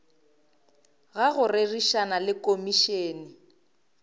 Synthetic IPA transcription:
ɣaɣʊrɪriʃanalɪkomiʃeːnɪ

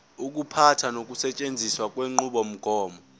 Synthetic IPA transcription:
uk̬ʼupʰatʰanok̬ʼusɛt͡ʃʼend͡zʱiswak̬ʼweŋ͡ǃuɓɔm̩ɡ̥ʱɔːmɔ

